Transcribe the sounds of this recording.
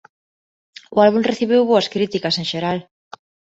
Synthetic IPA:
ʊalβumreθiβ̞ewβoɐskɾit̪ikɐseŋʃeɾal

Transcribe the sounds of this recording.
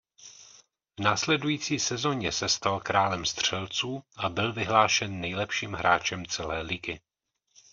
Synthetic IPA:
vnaːslɛdujiːt͡siːsɛzo̞ɲɛsɛst̪alkɾaːlɛmst̪r̝̥ɛlt͡suːʔabɪlvɪɦlaːʃɛnːɛjlɛpʃiːmɦɾaːt͡ʃɛmt͡sɛlɛːlɪɡɪ

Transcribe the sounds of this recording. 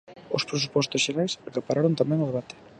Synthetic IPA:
ospɾesupɔst̪ʊsʃeɾajsakapaɾaɾont̪amɛ̃ŋʊðeβat̪ɪ̥

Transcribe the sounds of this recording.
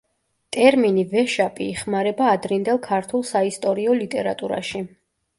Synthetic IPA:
t̪ʼɛɾminivɛʃapʼḭːχmaɾɛbaːd̪ɾind̪ɛlˠkʰaɾt̪ʰulˠsaist̪ʼɔɾiɔlit̪ʼɛɾa̰t̪ʼuɾa̰ʃi

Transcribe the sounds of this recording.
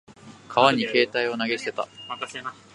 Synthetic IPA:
kʰaβaɲ̟ike̞ːt̪aio̞naɡe̞si̥t̪e̞t̪a̰

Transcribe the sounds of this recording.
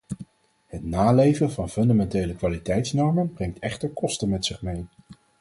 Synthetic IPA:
hətnaːlejvənvɑnfɵndamɛntejləkʋaːlitɛjtsnɔɹmənbrɛŋtɛχtəɹkɔstənmɛtsɪχmej

